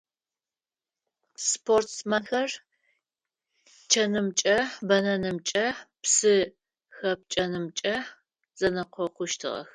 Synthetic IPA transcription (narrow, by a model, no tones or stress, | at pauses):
spʰortsmɐnxɐr | t͡ʃʰɐnɨmt͡ʃʼɐbɐnɐnɨmt͡ʃʼɐpsɨ | xɐp̚t͡ʃʼɐnɨmt͡ʃʼɐ | z̥ɐnɐqʷɔqʷʊʃtʰɨ̰ʁɐ̰x